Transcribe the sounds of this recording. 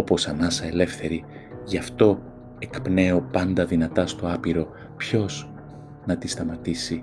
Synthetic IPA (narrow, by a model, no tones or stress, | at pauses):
o̞po̞sɐnɐsɐe̞le̞fθe̞ɾi | ʝɐft̪o̞ | e̞kpne̞o̞pɐnd̪ɐðinɐt̪ɐst̪o̞ɐpiɾo̞ | pço̞z | nɐt̪ist̪ɐmɐt̪isi